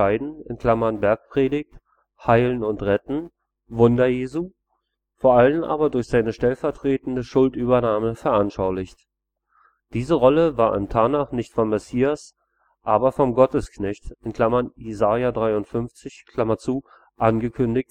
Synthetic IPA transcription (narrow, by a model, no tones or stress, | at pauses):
aɪdn̩ɪ̰nkʰl̥amɐnbɛɐk̚pʁ̥eːdɪçt | haɪlənʊntʁɛtn̩ | vʊndɐjeːzu | foːɐʔalənʔa̰ːbɐdʊɐçz̥aɪnəʃtɛlfɛɐtʁ̥eːtn̩dəʃʊltʔyːbɐnaːməfɛɐʔanʃaʊlɪçt | d̥iːzəʁɔləvaːɐʔɪ̰ntʰaːnaχnɪçtfɔmːɛsiːas | ʔaːbɐfɔmɡɔtəsknɛçtɪnkl̥amɐnjezaːjadʁaɪʊntfʏnft͡sɪçkʰl̥amɐt͡suː | ʔanɡəkʰʏndɪçt